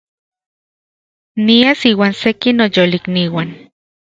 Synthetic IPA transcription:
niasiːwaːnsekinojolikniwan

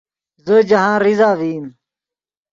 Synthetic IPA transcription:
zəd͡ʑɐɦãːɾizaːʋiːm

